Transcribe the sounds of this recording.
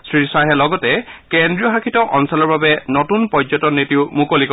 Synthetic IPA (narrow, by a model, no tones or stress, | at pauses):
sɹisaɦɛlɔɡɔtɛkendɹijɔxakʰitɔʔɔnsɔlɔɹbabɛnɔtunpɔzɔtɔnitiʊmukolik